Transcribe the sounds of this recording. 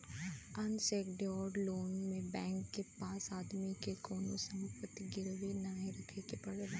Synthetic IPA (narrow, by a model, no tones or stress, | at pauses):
ɐnseːkɖɔːɾɖloːnmẽbɛ̃ːŋkːepaːsaːd̪mikekoːnosɐmpət̪iɡɪlʋinɐʋẽɾɐkʰekepɐɽea